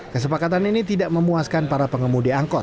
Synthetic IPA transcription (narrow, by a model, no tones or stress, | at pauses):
kəs̬əpakat̪̬aninit̪idaʔməmuaskanpaɾapəŋəmudiaŋkɔ